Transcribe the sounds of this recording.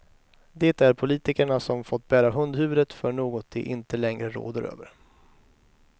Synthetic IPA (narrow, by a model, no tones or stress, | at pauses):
d̪ɛːt̪æɾpʰʊliːt̪ɪkəɳasɔmfɔt̪ːbæːɾaɦɵnd̪hʉ̟ːvəd̪ət̪fœɳoːɡɔt̪̚d̪ɛʔɪnt̪əlɛŋɾəɾo̰ːd̪əɾø̰ːvəɾ